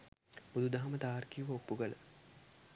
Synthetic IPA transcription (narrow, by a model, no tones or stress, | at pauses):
pud̪ud̪aɦamət̪aːrkijuʋəokːuɡələ̰